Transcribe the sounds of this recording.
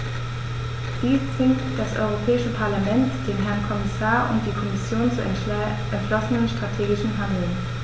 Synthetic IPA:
d̥iːst͡sv̥ɪŋtd̥asʔɔ̰ʏʁ̞opʰɛːɪʃəpʰaɐlamɛntd̥eːnɦɛɐnkʰɔmɪsaːɐʔʊ̰nt̚d̥iːkʰɔmɪsjoːnt͡su | ʔɛntʃlɔsənənʃtʁ̥atʰeːɡɪʃn̩ɦandl̩n

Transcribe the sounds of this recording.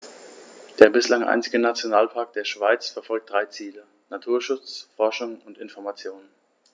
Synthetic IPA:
d̥eːɐbɪslaŋʔa̰ɪnt͡sɪɡənat͡sjonaːlpʰaɐk̚d̥eːɐʃv̥aɪt͡sfɛɐfɔlk̚d̥ʁaɪt͡siːlə | natʰuːɐʃʊt͡sfɔɐʃʊŋʊntɪnfɔɐmat͡sjoːnən

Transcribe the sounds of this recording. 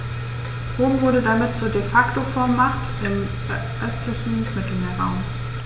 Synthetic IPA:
ʁoːmvʊɐɾədamɪtt͡suːɐdefaktofɔɐmːaχtʔɪm | ʔœstʰlɪçn̩mɪtl̩meːɐʁaʊm

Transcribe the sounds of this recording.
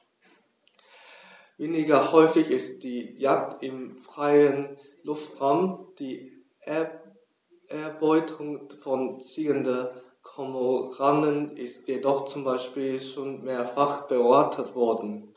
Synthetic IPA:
veːnɪɡɐhɔʏfɪçɪst̚d̥iːjak̚tɪmfʁ̥aɪən | lʊftʁamd̥iː | ʔɛɐbɔʏtʰʊŋfɔnt͡siːəndə | kʰɔmoʁandənɪstjedɔχt͡sʊmbaɪʃpiːlʃoːnmeːɐfaχb̥əaɐtʰətv̥ɔɐdn̩

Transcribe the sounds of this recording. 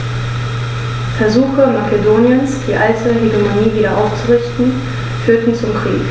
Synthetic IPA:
fɛɐzuːxəmakedoːnjənsd̥iːʔaltʰəɦeɡemoniːviːdɾɐʔaʊft͡suʁɪçtn̩ | fyːɐtn̩t͡sʊmkʁ̥iːk

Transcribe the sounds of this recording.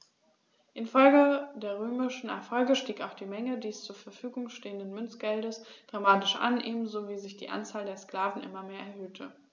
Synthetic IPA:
ʔɪnfɔlɡədeːɐʁ̞øːmɪʃn̩ɛ̰ɐfɔlɡəʃtiːkaʊxd̥iːmɛŋədiːst͡suːɐfɛɐfyːɡʊŋʃteːəndənmʏnt͡sɡ̥ɛldəsd̥ʁamaːtɪʃʔa̰nʔeːbm̩zoviːzɪçd̥iːʔa̰nt͡saːldeːɐskl̥aːvn̩ʔɪ̰mɐmeːɐʔɛɐhøːtʰə

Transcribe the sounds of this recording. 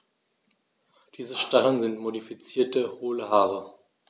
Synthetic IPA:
d̥iːzəʃtaχənzɪntmodifit͡siːɐtəhoːləɦaːʁə

